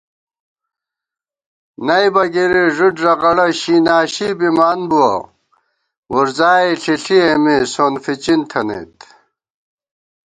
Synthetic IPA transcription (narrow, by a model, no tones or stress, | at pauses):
nɐjbɐɡiɾiʐuʈʐɐɣɐɽɐɕinaːɕibimaːnbuwɐ̰ | wuɾzaːiɬiɬiemisoːnfit͡ɕint̪ʰɐnḛt̪